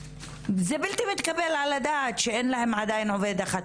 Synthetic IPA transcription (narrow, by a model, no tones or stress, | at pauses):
zebilt̪imit̪kabelʕalad̪aʕt̪ʃeʔenlahemʕad̪ajnʕoved̪ʔaxat̪